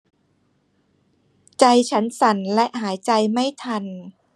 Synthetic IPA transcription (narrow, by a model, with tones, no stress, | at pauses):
t͡ɕa˧jt͡ɕʰa˦˥nsa˩˦nlɛ˦˥ʔɦaː˩˦jt͡ɕa˧jma˥˩jt̪ʰa˧n